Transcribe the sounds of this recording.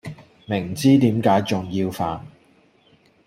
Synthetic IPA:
mɪ˨˩ŋt͡siː˥t̪iː˨˥mkaː˨˥jt͡sʊ˨ŋjiː˧wfaː˨˧n

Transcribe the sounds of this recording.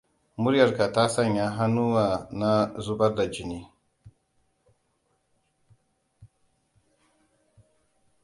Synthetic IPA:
mʊ˦ɾjɐ˨ɾka˨ta˦sa˦˨ɲja˦ɦa˦nu˦wa˨na˦zu˦ba˦ɾda˨d͡ʒi˨ni˦

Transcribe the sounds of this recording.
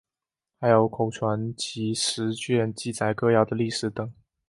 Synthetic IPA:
xa˧˥ɪjo˨˧˥ʊkʰo˨˩ʊʈ͡ʂʰwa˧˥nt͡ɕi˧˥ʂɻ̩˧˥t͡ɕɥɛ˥˧nt͡ɕi˥˩t͡sa˨˩˦ɪkɤ˥˧jɑ˥˩d̪ə˩li˥˩ʂɻ̩˨˧˥t̪ɤ˨˩˦ŋ

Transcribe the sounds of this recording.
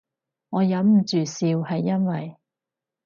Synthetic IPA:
ŋɔː˨˧jɐ˨˥mm̩˨˩t͡ʃyː˨siː˧whɐ˨jːɐ˥nwɐ˨j

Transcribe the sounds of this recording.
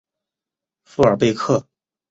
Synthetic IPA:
fu˥˩ə˞˨˩pe˥˧ɪkʰɤ˥˩

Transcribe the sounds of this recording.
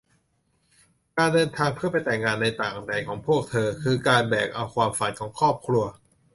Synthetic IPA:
kaː˧ndɤː˧nt̪ʰaː˧ŋpʰɯ˥˩ɐpa˧jt̪ɛː˨˩ŋːaː˧nːa˧jt̪aː˨˩ŋʔda˧jkʰɔː˩˦ŋpʰu˥˩ək̚t̪ʰɤː˧kʰɯː˧kaː˧nbɛː˨˩k̚ʔa˧wkʰwaː˧mfa˨˦nkʰɔː˩˦ŋkʰɔː˥˩p̚kʰɾu˧ɐ

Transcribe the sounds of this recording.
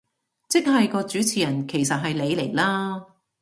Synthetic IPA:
t͡sɪ˥k̚ɦɐ˨jkɔː˧t͡ʃyː˨˥t͡sʰiː˨˩jɐ˨˩nkʰe˨˩jsɐ˨t̚ɦɐ˨jle˨˧jle˨˩jlaː˥

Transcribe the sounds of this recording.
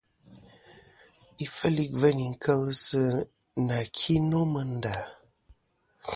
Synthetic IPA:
i˦fə˦li˦k̚və˦ni˨ŋ̩˨kʰə˦lsə˦ | na˨kʰi˦nɔ˦mə˨n̩˨da˨

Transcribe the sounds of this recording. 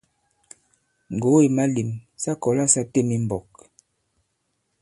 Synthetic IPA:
ŋ˨ɡo˨˦e˨ma˦li˨msa˦kɔ˨la˦sa˦te˦˨mi˦m˨bɔ˨k̚

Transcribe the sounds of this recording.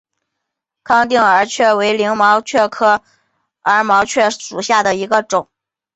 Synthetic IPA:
kʰɑ˥ŋt̪i˥˩ŋə˞˧˥t͡ɕʰɥɛ˥˩we˧˥ɪli˧˥ŋmɑ˧˥ʊt͡ɕʰɥɛ˥˩kʰɤ˥ | ə˞˧˥mɑ˧˥ʊt͡ɕʰɥɛ˥˩ʂu˨˩ɕja˥˩d̪ə˩i˧˥ɡə˧ʈ͡ʂʊ˨˩˦ŋ

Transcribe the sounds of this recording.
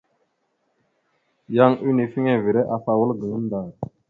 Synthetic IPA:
ja˦ŋu˦ni˨fi˦ŋe˦vi˨ɾe˦ʔa˨fa˨wə˦lɡə˨ŋə˦n˦da˨ɾ

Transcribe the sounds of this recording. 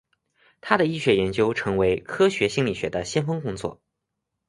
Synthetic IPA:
t̪ʰa˥d̪ə˨i˥˩ɕɥɛ˧˥jɛ˧˥nt͡ɕjo˥ʊʈ͡ʂʰɤ˧˥ŋwe˧˥ɪkʰɤ˥ɕɥɛ˧˥ɕi˥nli˨˩ɕɥɛ˧˥d̪ə˧ɕjɛ˥nfɤ˥ŋkʊ˥ŋt͡swɔ̰˥˩

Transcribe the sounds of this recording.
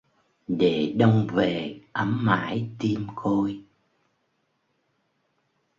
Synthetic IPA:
ɗe˧˩ɗə˧wŋ͡mve˨˩ʔə˨˦mːa̰ː˧˥˦jt̪i˧mko˧j

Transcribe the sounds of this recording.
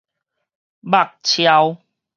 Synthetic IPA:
ba˦˨k̚t͡ɕʰja˧w

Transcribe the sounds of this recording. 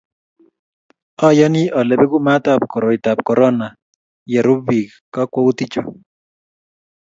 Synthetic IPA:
ɔ˦jɔ˦ni˦ʔɔ˨lɛ˨bɛ˦ɡu˦ma˦t̪a˨p̚kɔ˨ɾɔ˨i˨t̪a˨p̚kɔ˨ɾɔ˦na˨ | jɛ˨ɾu˦bi˨k | ka˦kwɔ˦u˦t̪i˦t͡ʃo˨

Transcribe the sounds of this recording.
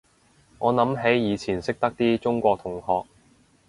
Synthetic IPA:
ŋɔː˨˧nɐ˨˥mɦe˨˥jjiː˨˧t͡sʰiː˨˩nsɪ˥k̚t̪ɐ˥k̚t̪iː˥t͡sʊ˥ŋkʷɔː˧k̚t̪ʰʊ˨˩ŋhɔː˨˧k̚

